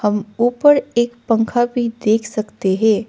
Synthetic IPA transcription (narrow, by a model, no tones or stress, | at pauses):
hɐmuːpəɾeːkpə̃ŋkʰabʱid̪eːkʰsɐkt̪eɦɛ̃ː